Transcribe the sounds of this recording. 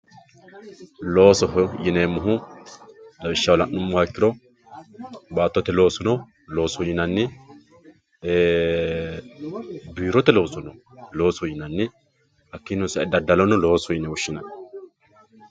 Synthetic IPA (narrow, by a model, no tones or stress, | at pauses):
lo̞ːsɔɦjɪnemːʊɦʊ | dɐbɪʃːɐwlɐnːʊmːʊwakːɪɾɔ | baːt̪ːɔt̪ːɛlo̞ːsʊnɔ | lo̞ːsɔjɪnɐnːɛ | biːɾɔt̪ːɛlo̞ːsʊnɔ | lo̞ːsɔjɪnɐnːɛ | hɐkːinʊsɐɛd̪ɐd̪ɐlɔnɔlo̞ːsɔjɪnɛwʊʃːɪnɐn